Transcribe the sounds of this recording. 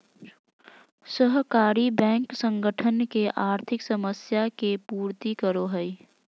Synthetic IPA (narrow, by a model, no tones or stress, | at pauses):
səɦkaːɾibɛ̃ːŋksə̃ŋɡəʈʰənkeʔaːɾt̪ʰɪksəməsjakepuːɾt̪ikəɾoɦəi